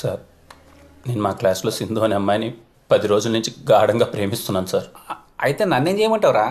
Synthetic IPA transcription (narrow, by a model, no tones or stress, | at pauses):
saːɾ | ne̞ːnumaːklaːslo̞ːsind̪oːɐnɐmːaːjɐni | pɐd̪iɾo̞ːd͡ʒulɐnuɲt͡ʃiɡaːɽɐŋɡaːpɾe̞ːmist̪unːaːnusaːɾ | ɐjit̪eːnɐnːeːnd͡ʒeːjmɐɳʈɐwɾaː